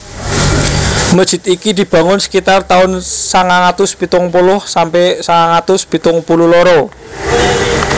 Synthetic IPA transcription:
məd̥ʒ̥ɪ̤t̪ikid̪̥i̤b̥ä̤ŋʊnsə̥kit̪art̪aʊnsaŋaŋat̪ʊspit̪ʊŋpulʊhsampɛsaŋaŋat̪ʊspit̪ʊŋpululɔɾɔ

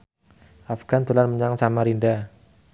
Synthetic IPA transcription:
afɡ̥ant̪ulanməɲaŋsamaɾinda

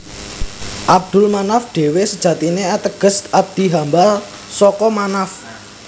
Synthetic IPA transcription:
ʔab̚d̪̥ʊlmanafɖ̥e̤wesəd̥ʒ̥ä̤t̪ineat̪əɡ̥ə̤sʔab̚d̪̥i̤ɦambal | sɔkɔmanaf

